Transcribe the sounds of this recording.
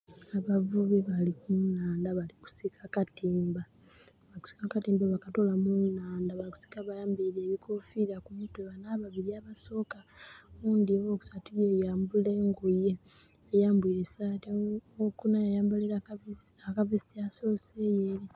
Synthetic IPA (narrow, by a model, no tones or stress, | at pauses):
aβavuβeβalikunaːndaβaliku̥sikʰakatiːmba | βaliku̥si̥kakatiːmbaβakatolamunaːndaβaliku̥si̥kaβajaːmbiɾeːβikʰofiɾakumitweβanaβaβiɾiaβaso̞ːkauːndiβoku̥satujejaːmbuleŋɡoje | ejaːmbwiːɾesateokunajajaːmbuliɾaakavistaso̞sejeɾi